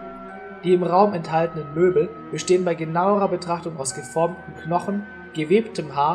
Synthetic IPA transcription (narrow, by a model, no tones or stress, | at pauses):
d̥iːɪmʁaʊmɛnthaltən̩ənmøːbl̩ | b̥əʃteːənbaɪɡənaʊəʁɐbətʁ̥aχtʊŋa̰ʊsɡ̥əfɔɐmtm̩knɔχn̩ | ɡ̥əveːptʰəmɦaː